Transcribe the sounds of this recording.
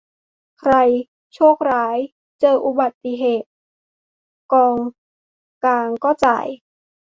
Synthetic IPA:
kʰɾa˧j | t͡ɕʰɔː˥˩k̚ɾaː˦˥j | t͡ɕɤː˧ʔu˧ba˨˩t̪ːi˧ɦeː˨˩t̪̚ | kɔː˧ŋ | kaː˧ŋkɔː˥˩t͡ɕa̰ː˨˩j

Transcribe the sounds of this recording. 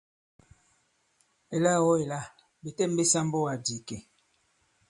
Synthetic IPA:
e˨la˦˨wɔ˦e˨la˦˨ | be˨tɛ˦˨m˦be˦sa˦m˦bo˦wa˨di˨ke˨

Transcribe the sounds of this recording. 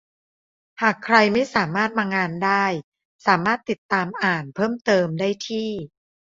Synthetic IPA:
haː˨˩kʰɾa˧jma˥˩jsaː˩˦maː˥˩t̪̚maː˧ŋaː˧ndaː˥˩j | saː˩˦maː˥˩t̪ːi˨˩t̪ːaː˧mʔaː˨˩npʰɤː˥˩mt̪ɤː˧mdaː˥˩jt̪ʰiː˥˩

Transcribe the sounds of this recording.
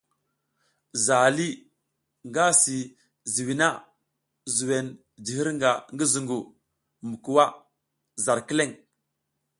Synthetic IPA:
za˨li˦ | ŋɡa˦si˨ | zi˨wi˨na˦ | zu˨we˨n | d͡ʒi˨hi˦ɾŋɡa˨ŋɡi˦zu˨ŋɡu˨ | mu˨ku˨wa˦ | za˨ɾki˦le˦˨ŋ

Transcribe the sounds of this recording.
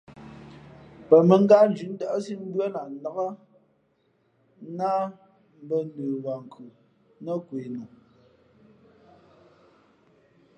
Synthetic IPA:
pə˨mə˨˦ŋ˦ɡa˦n˦d͡ʒʉ˨˦n̩˦da˦ʔsi˦m̩˦bɰa˦na˨n̩˨la˨˦ɣa˦ | na˦ | m̩˦bə˦nə˨wa˨ŋ̩˨kʰu˨ | nə˦kwe˨nɔ˨

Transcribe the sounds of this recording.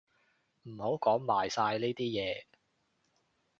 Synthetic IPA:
m̩˨˩ho˨˥wkɔː˨˥ŋmaː˨˩jsaː˧jli˥t̪iː˥jɛː˨˧

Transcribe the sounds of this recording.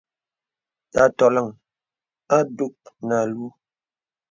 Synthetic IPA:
ta˨˦tɔ˨la˦˨ŋ | a˦du˦˨k̚na˨lwo˦

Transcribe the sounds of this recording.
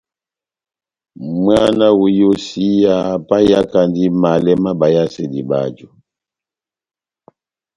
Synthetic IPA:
mwa˦na˦wu˨jo˦si˦ja˦˨pa˦ja˦ka˨ndi˦ma˨lɛ˦ma˦ba˨ja˦sɛ˨di˨ba̰˨d͡ʒɔ˨

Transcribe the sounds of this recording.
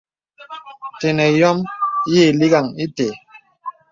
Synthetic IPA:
te˨nɛ˨jɔ˦m˦je˦˨li˦ɡa˨ŋi˦te˨

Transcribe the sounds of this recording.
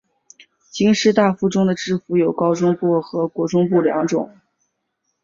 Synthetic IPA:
t͡ɕi˥ŋʂɻ̩˥t̪a˥˩fu˥˩ʈ͡ʂʊ˥ŋd̪ə˨ʈ͡ʂɻ̩˥˩fu˧˥jo˨˩ʊkɑ˥ʊʈ͡ʂʊ˥ŋpu˥˩xɤ˧˥kwɔ˧˥ʈ͡ʂʊ˥ŋpu˥˩ljɑ̰˧˥ŋʈ͡ʂʊ̰˨˩˦ŋ

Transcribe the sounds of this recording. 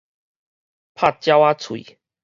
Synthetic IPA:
pʰa˥˩t̚t͡ɕja˦˥wa˦t͡sʰwḭ˨

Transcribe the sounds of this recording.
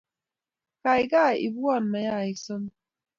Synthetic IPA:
ka˨jɡa˦˨ḭ˨bu˦ɔ˦˨n˨ma˨ja˦˨i˨sɨ˦n

